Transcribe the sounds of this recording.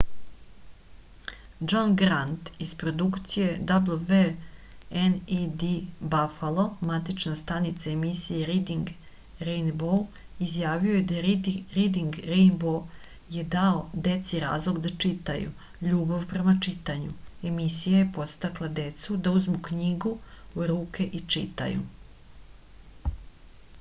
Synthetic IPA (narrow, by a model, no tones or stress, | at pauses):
d͡ʒonɡɾant̪ispɾo̞d̪ukt̪sije̞d̪ablˠuve | enid̪ibafalˠo̞mat̪it͡ʃnast̪anit̪saemisijeɾid̪iŋɡ | ɾejnbo | izjaːʋio̞jed̪aɾid̪iŋɡɾejnbo | je̞d̪aod̪e̞t̪siɾa̰ːzlˠo̞ɡd̪at͡ʂit̪ajṵ | ʎuːbaʋpɾe̞mat͡ʂit̪aɲue̞misijajepo̞t̪st̪aklˠad̪e̞t̪sud̪auzmukɲiɡuɾuːke̞ʔit͡ʂḭt̪a̰jṵ